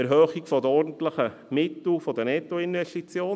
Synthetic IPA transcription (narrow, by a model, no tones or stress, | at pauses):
ɛɾɦœːχikfɔd̪əɔɾdn̩t̪ləχə | mɪt̪l̩fɔd̪ənɛt̪oɪnvɛstit͡sjoː